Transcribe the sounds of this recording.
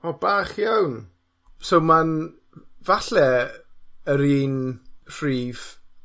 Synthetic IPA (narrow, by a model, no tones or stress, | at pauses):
ɔbaːχjawn | sowman | vaɬɛ | əɾiːnr̥riːv̥